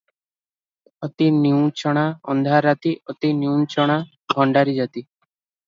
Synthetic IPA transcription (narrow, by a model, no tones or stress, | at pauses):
ɔt̪iniũt͡ʃɔɽ̃aɔ̰nd̪ʱaɾat̪iʔɔt̪injũnt͡ʃɔɽ̃a | ɡʱɔɳɖaɾid͡ʒat̪i